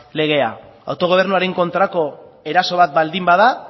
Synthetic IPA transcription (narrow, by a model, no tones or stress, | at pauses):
le̞ɣ̞e̞a̰ | a̰wt̪o̞ɣ̞o̞β̞e̞ɾnuaɾe̞ŋko̞nt̪ɾako̞e̞ɾaso̞β̞at̪̚bald̪imbað̞a